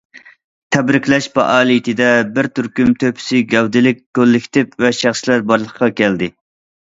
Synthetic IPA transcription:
t̪ʰɛbɾɪkʲlɛʃbɑ̰ʔɑːlˠit̪ʰɪd̪ɛbɪɾt̪yɾkʲymt̪ʰøpʰɪ̥sɪɡʲɛwd̪ɪlɪk̚ʲkølːɪkʲʰt̪ʰɪpvɛʃæχslæɾbɑɾlˠəqqɑkʲʰɛld̪ɪ

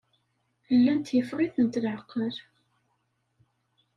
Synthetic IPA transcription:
əlːænt̪jəfʁiθənt̪lʕəqːəl

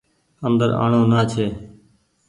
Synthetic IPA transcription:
ənd̪əɾa̰ːɳoːnaːt͡ʃʰeː

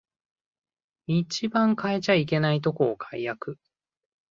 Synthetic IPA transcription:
it͡ɕibãŋkae̞t͡ɕaike̞nait̪̬o̞ko̞ːkʰaijakɯ̟

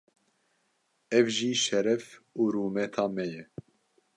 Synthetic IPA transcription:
ɛvʒiːʃɛɾɛfuːɾuːmɛt̪ʰɑːmɛjɛ

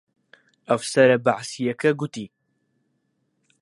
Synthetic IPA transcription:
ʔafsaɾˤabaʕsijakaɡʊt̪i

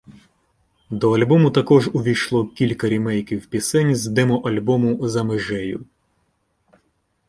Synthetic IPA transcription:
d̪ɔɐlʲbɔmʊt̪ɐkɔʒʊʋʲijʃlˠɔkʲilʲkɐɾʲimɛjkʲiwpʲisɛnʲzd̪ɛmɔʔɐlʲbɔmʊzɐmɪʒɛjʊ

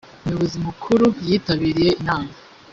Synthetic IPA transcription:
umujoβo̞zimukʰuɾujiːtaβiːɾije̞inaːma

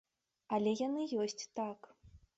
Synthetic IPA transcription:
ɐlʲɛjanɨjɔsʲt͡sʲt̪ak

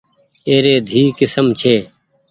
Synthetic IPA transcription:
eːɾeːd̪ʱiːkɪsəmt͡ʃʰeː

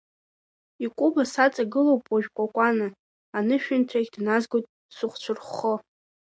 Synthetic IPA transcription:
ikʷʼubasat͡sʼaɡɨlowpʼwaʒᶣkʷʼakʷʼanɨ | anɨʃᶣʊntʰaɡʲdnazɡotʼ | sʊχʷt͡ɕʷʰʊrχo

